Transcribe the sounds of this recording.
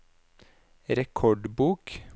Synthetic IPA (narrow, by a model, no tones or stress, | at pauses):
ɾɛkʰɔɖbuːk